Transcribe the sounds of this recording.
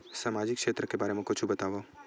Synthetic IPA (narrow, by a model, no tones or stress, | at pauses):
samad͡ʒɪkʃet̪ɾəkebaɾemẽkot͡ʃʰubət̪aʋo